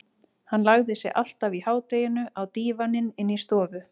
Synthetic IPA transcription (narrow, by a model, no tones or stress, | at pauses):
hanːlaɣðɪsjɛ̰ɣʔa̰l̥t̪avihaːwt̪ejɪnʏʔawt̪iːvanɪnɪnːist̪ɔːvʏ